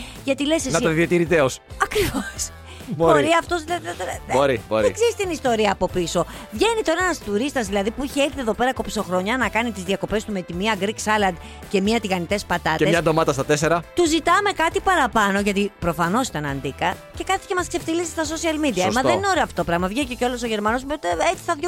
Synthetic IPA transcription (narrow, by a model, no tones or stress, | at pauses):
ʝɐt̪ilesesnɐɐðiɐt̪iɾit̪eosɐkɾivos | boboɾiɐft̪o̞zðilɐðit̪t̪eoɾibo̰ɾḛkseist̪inist̪o̞ɾiɐːpo̞piso̞vʝe̞nit̪oɾɐenɐst̪uɾist̪ɐzðilɐðipuiçeekθieðo̞pe̞ɾɐkopso̞xɾo̞ɲɐnɐkɐnit̪izðiɐko̞pe̞st̪ume̞t̪imiɐɡɾiksɐlɐnd̪ | ce̞miɐt̪iɣɐnit̪e̞spɐt̪ɐt̪eeɲɐsɐd̪omɐt̪ɐst̪ɐt̪eseɾɐt̪uzit̪ɐme̞kɐt̪ipɐɾɐpɐno̞ʝɐt̪ipɾo̞fɐno̞si̥t̪ɐnɐ̰nd̪ikɐce̞kɐt̪i̥cemɐskse̞ft̪ilisist̪ɐso̞siɐlmid̪iɐimɐðenineo̞ɾeoɐftoopɾɐɣmɐvʝececeo̞lo̞so̞ʝe̞ɾmɐno̞smot̪eet͡si̥θɐðʝo